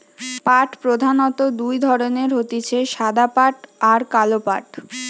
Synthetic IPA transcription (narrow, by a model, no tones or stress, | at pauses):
paʈpɾod̪ʱanɔt̪od̪ujd̪ʱɔɾoneɾɦot̪it͡ɕʰeʃad̪apaʈaɾkalopa̰ʈ